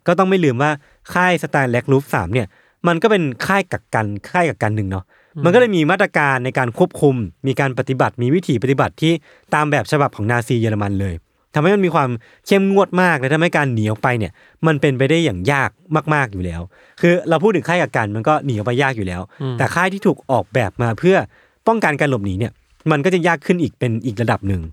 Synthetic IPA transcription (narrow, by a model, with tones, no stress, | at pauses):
kɔː˥˩t̪̬ɔ˥˩ŋma˥˩jlɯː˧mwaː˥˩ | kʰaː˥˩jsa˧t̪aː˧nlɛ˦˥k̚luː˦˥p̚sa̰ː˩˦mni˥˩ɐ | ma˧nkɔː˥˩pe˧nkʰaː˥˩jka˨˩kkːa˧nkʰaː˥˩jka˨˩kːa˧nːɯ˨˩ŋnɔ˦˥ | ma˧nkɔ˥˩ɤː˧˥jmiː˧maː˥˩t̪ɾa˧kaː˧nːa˧jkaː˧nkʰu˥˩əp̚kʰu˧mmiː˧kaː˧npɾa˨˩t̪i˨˩ba˨˩t̪̚miː˧wi˦˥t̪ʰiː˩˦pa˧˩t̪i˨˩ba˨˩t̪ʰːiː˥˩ | t̪aː˧mbɛː˨˩p̚t͡ɕʰa˧ba˨˩p̚kʰɔː˩˦ŋnaː˧siː˧jɤː˧la˧ma˧nlɤː˧j | t̪ʰa˧mɦa˥˩jma˧nmiː˧kʰwaː˧m | kʰe˥˩mŋu˥˩ət̪̚maː˥˩k̚nɛ˦˥t̪ʰha˥˩jkaː˧nːi˩˦əwpa˧jni˥˩ɐ | ma˧npe˧npa˧jda˥˩jːaː˨˩ŋjaː˥˩k̚maː˥˩k̚maː˥˩k̚juː˨˩lɛː˦˥w | kʰɯː˧ɾa˧wpʰu˥˩t̪ʰːɯ˩˦kʰaː˥˩jka˨˩p̚ka˧nma˧nkɔː˥˩niː˨˩˦a˧wpa˧jːaː˥˩k̚juː˨˩lɛː˦˥wt̪ɛː˨˩kʰaː˥˩jt̪ʰiː˥˩uː˨˩k̚ʔɔː˨˩k̚bɛː˨˩p̚maː˧pʰɯ˥˩ɐ | pɔ˥˩ŋka˧nkaː˧nlo˨˩p̚niː˩˦ni˥˩ɐ | ma˧nkɔː˥˩t͡ɕa˨˩jaː˥˩kʰːɯ˥˩nʔiː˨˩k̚pe˧nʔiː˨˩k̬̚ɾa˧da˨˩p̚nɯ˨˩ŋ